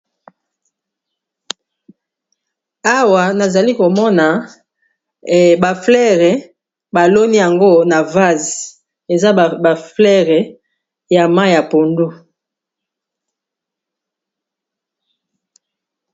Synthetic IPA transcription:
a˦wa˨na˨za˨li˦ko˨mɔ˦na˨ | ba˨flɛ˦ʁɛ˨ | ba˨lo˦ni˦ja˨ŋɡo˦na˨va˦z | e˨za˦˨ba˨flɛ˦ʁɛ˨ | ja˨ma˦˨ja˨po˨ndu˦

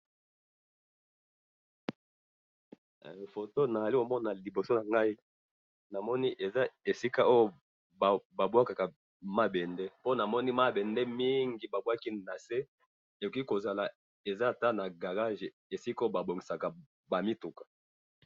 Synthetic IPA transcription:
fo˨to˦na˨za˨li˦ko˨mɔ˦na˨li˨bo˨so˦na˨ŋɡa˦i˦ | na˨mɔ˦ni˦ʔe˨za˦e˨si˦ka˦ʔo˦jo˦ | bba˨bwa˦ka˨ka˨ | ma˦bɛ˨ndɛ˦po˦na˨mɔ˦ni˦ma˦bɛ˨ndɛ˦mi˦ŋɡi˨ba˨bwa˦ki˦na˨se˦ | e˨jki˦ko˨za˨la˨ | e˨za˦˨ta˦na˨ɡa˨ʁa˦ʒe˨ | e˨si˦ko˦jo˦ba˨bo˨ŋɡi˨sa˨ka˨ | ba˨mi˦tu˨kḁ˨

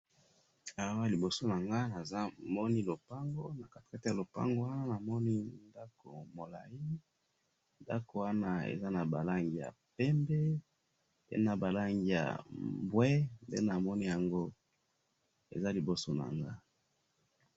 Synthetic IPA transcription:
a˨wa˦li˨bo˨so˦na˨ŋɡa˦na˨za˦mɔ˦ni˦lo˨pa˦ŋɡo˦na˨ka˨te̥˨ka˦te˦ja˨lo˨pa̰˦ŋɡo˦wa˦na˦na˨mɔ˦ni˦nda˦ko̰˨mo˨la̰˨ji˦ | nda̰˦ko˨wa˦na˦ḛ˨za˦na˨ba̰˨la˦ŋɡi˨ja̰˨pɛ˦mbɛ˦ | ḛ˦na˨ba˨la˦ŋɡi˨ja̰˨bwɛ˦mbḛ˦na˨mɔ˦ni˦ja˨ŋɡo˦ | ḛ˨za˦li˨bo˨so˦na̰˨ŋɡa˦

